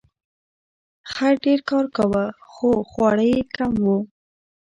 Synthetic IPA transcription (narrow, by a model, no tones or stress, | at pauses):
xaɾɖeɾkɑɾkawəxoxwɑɽəjekamwu